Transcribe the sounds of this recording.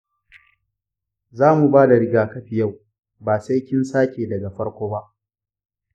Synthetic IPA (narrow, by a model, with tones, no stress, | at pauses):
zaː˦mu˨baː˦da˨ɽɪ˦ɡaː˨kɐ˦ɸi˨ja˦˨w | baː˨sa˦jkʲɪ˦nsaː˦kʲeː˨dɐ˨ɡa˨ɸɐ˦ɽkʷoː˦ba˦ʔ